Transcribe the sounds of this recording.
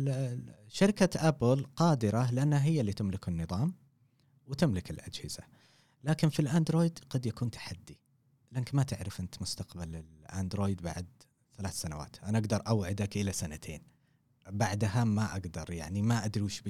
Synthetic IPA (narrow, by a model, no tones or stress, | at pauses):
ʃaɾɪkaʔabɪlqɑːd̪ɪɾalɪʔanːhaɦɪjːalːiːt̪ɪmlɪkɪnːɨðˤɑːm | wɪt̪ɪmlɪkɪlʔad͡ʒhɪz̥a̰ | laːkɪnfilʔaːnd̪ɾoːjd̪qɑd̪jakuːnt̪ʰḁħad̪ːi | lankmat̪ɪʕɾɪfʔɪnt̪mʊst̪aqbalɪlʔand̪ɾoːjd̪ba̰ʕd̪ | θalaːθsanawa̰ːt̪ʔanaʔaɡd̪ɑɾˤʔawʕɪd̪akʔɪlasanat̪ʰeːn | baʕd̪ɦamaʔaɡd̪ɑɾˤjaʕnimaʔad̪ɾiːʃb